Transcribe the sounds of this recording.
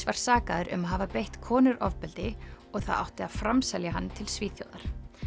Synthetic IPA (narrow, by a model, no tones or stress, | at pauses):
svaɾ̥saːkaðʏɾʔʏ̰maðɦaːvapejht̪kʰɔːnʏɾʔɔvpɛlt̪ɪ | ɔɣθa̰ða̰wht̪ɪaðfɾamsɛljaɦanːt̪ʰɪlsviːθjo̰wðaɾ̥